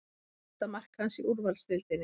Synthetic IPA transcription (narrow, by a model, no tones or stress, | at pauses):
t̪amar̥khansiʔuɾvalst̪ɪlt̪ɪnːɪ